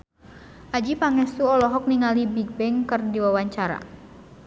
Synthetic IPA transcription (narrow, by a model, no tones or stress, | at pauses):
ʔad͡ʒipaŋɛst̪uɔlɔɦɔk̚niŋalibiɡ̚bɛŋkərdiwawaɲt͡ʃaɾa̰